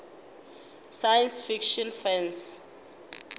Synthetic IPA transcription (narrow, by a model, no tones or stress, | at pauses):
sajɛnsfikʃɔnfɛns